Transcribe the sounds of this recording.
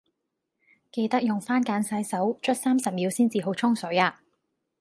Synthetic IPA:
ke˧jt̪ɐ˥k̚jʊ˨ŋfaː˥nkaː˨˥nsɐ˨˥jsɐ˨˥wt͡ʃʰɵ˥t̚saː˥msɐ˨˩m̚jiː˨˧wsiː˥nt͡siː˨ɦo˨˥wt͡ʃʰʊ˥ŋsɵ˨˥ɥaː˧

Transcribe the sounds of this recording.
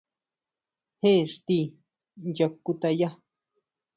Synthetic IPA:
he˦ʂt̪i˦˧ | ja˧ku˧t̪a˧ja˦

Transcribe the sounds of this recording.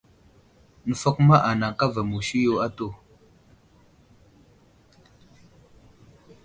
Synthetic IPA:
nə˨fə˦kma˦ʔa˨na˨ŋ˨ka˦va˨mu˨ʃi˦jo˦a˦to˦˨

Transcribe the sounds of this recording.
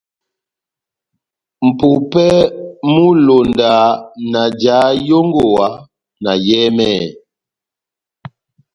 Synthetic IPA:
m̩˨pu˨pɛ˦mu˦lo˨nda˨na˨d͡ʒaː˨˦jo˦ŋɡo˨wa˨˦ | na˨jɛː˦mɛ˦˨

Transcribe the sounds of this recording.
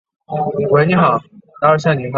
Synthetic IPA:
xwe˧˥ɪni˧˥xɑ˨˩˦ʊt̪a˥ɕ̬jɑ˥˩ni˨˥˦ma˥

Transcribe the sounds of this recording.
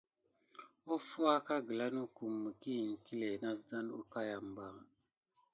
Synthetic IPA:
o˦fu˦a˦ka˦ɡə˨la˦nu˦ku˨mːə˨ki˦˨ŋ˨ki˦le˨na˦sd͡za˦n˦u˦ka˦ja˨m˨ba˦

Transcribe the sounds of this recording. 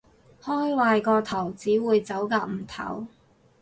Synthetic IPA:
hɔː˥jwaː˧jkɔː˧t̪ʰɐ˨˩wt͡siː˨˥wuː˨˧jt͡sɐ˨˥wkaː˧k̚m̩˨˩t̪ʰɐ̰˨˥w

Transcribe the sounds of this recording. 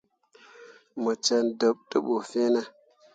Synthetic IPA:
mə˨t͡ʃe˧ndo˨p̚tɨ˦ɓo˨fe˦na˦

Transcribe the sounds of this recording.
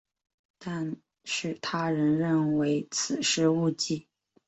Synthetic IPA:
t̪a˥˧n | ʂɻ̩˥˩t̪ʰa˥ɻə˧˥nɻə˥˩nwe˧˥ɪt͡sʰɹ̩˨˩ʂɻ̩˥u˥˧t͡ɕi˥˩

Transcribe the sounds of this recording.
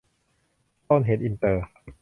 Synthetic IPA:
t̪oː˥˩nɦe˨˩˦nʔi˧nt̪ɤː˧

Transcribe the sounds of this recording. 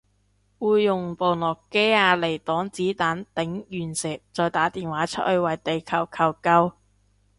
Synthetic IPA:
wuː˨˧jːʊ˨˩ŋpo˨˧wlɔː˨˩kːe˥aː˧le˨˩jt̪ɔː˨˥ŋt͡siː˨˥t̪aː˨˥nt̪ɪ˨˥ŋjyː˨˩nsɪː˨˩k̚t͡sɔː˨˧jt̪aː˨˥t̪iː˨nwaː˨˥t͡sʰə̰˥hɵ˨˧ɥwɐ˨˩jt̪e˨jkʰɐ˨˩wkʰɐ˨˩wkɐ˧w

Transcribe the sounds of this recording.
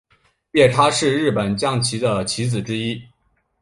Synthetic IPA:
pjɛ˥˩ʈ͡ʂʰa˥ʂɻ̩˥˧ɻɻ̩˥˩pə˨˩nt͡ɕjɑ˥˩ŋt͡ɕʰi˧˥d̪ə˧t͡ɕʰi˧˥t͡sɹ̩˨˩ʈ͡ʂɻ̩˥i˥

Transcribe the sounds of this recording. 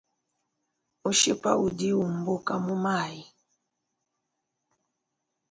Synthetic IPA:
u˦ʃḭ˦pa̰˦ʔu˨di˦u˨m̩˨bo˦ka˦mu˦ma˦˨i˨

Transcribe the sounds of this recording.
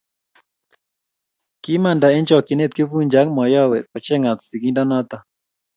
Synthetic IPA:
ki˦ma˨nda˨ɛ˦nd͡ʒɔ˨kɪ˨ne˦t̪̚kɪ˦vu˦ɲd͡ʒa˨˦ŋmɔ˨jɔ˦wɛ˨pɔ˨t͡ʃɛ˦ŋa˨t̪si˨ki˦nda˦nɔ˦t̪a˦

